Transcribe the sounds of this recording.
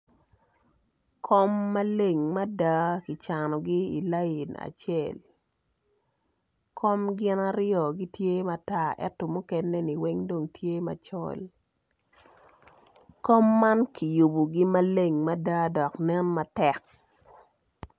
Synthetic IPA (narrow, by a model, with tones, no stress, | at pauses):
kʰɔ˦mːa˦le˨ŋma˦da˦kɪ˨t͡ʃa˨nɔ˨ɡi˦ḭ˨la˦jɪ˨na̰˨t͡ʃjɛ˨l | kʰɔ˦mɡɪ˦na˦ɾɪjɔ˨ɡi˦tje˦ma˨ta˦ɛ̰˦to˨mu˦kɛ˦nːɛ˦ni˨we˦ŋdo˨ŋtje˦ma˨t͡ʃɔ̰˦l | ko˦mːa˦nki˨ju˨bu˨ɡi˦mɐ˦le˦ŋma˦da˦dɔ˨knɛ˦nma˦tɛ˨˦k̚